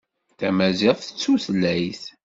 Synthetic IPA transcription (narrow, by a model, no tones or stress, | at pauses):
θæmæziʁˤθə̥t͡sːuθlːæjθ